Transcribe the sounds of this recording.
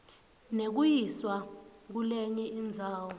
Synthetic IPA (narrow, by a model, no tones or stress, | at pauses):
nek̬ujiswak̬ulɛɲɛind͡zʱaːwɔ